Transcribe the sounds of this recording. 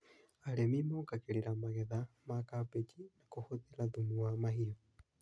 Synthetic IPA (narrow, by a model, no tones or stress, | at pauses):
aɾemimoːkakeɾiɾamaɣɛðamakapet͡ʃinakohoðeɾaðumuamaɦio